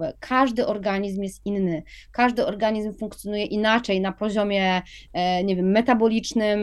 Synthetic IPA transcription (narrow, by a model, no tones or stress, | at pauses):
ɛkʰaʐd̪ɘʔɔɾɡaɲizmjɛst̪ʔinːɘkaʐd̪ɘɔɾɡaɲizmfuŋk̚t̪sjɔnujɛʔinat͡ʂɛjnapɔʑɔmʲjɛ | ɲɛvʲjɛmːɛt̪abɔlʲit͡ʂnɘm